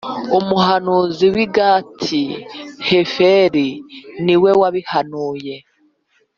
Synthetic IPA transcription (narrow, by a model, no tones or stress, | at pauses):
umuɦanuziwiɡatʰihefeɾiniwe̞waβihanuːje